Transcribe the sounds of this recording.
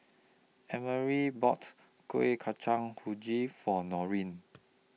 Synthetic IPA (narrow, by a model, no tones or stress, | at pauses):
ɛməɹibɔt | koekʰat͡ʃãŋhud͡ʒifɔnɔɹĩn